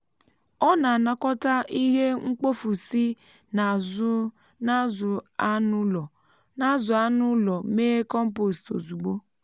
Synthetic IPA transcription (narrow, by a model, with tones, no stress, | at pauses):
ɔ˦na˨na˨kɔ˦ta˦ʔi˦ɦe˦ŋ͡m̩˦k͡po˦fu˨si˦ | na˨zʊ˦ | na˦zʊ˨a˦nʊ˦ɔ˨ | na˦zʊ˨a˦nʊ˦lɔ˨meː˦kɔ˦m̩˦po˨sto˨zu˨ɡ͡bo˦